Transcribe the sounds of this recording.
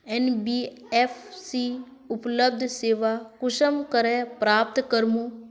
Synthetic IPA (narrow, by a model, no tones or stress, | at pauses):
ɛnbiɛːfsiː | ʊpləb̚d̪ʱseːʋaːkʊʃəmkəɾɛpɾaːp̚t̪kəɾmũː